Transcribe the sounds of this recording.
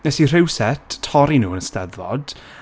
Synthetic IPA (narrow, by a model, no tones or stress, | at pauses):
nɛsir̥ɪwsɛtʰːɔɾinuːənəstɛðvɔ̰d̥